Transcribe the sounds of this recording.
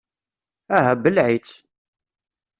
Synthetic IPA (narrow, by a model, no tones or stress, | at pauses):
æɦæbəlʕit͡sː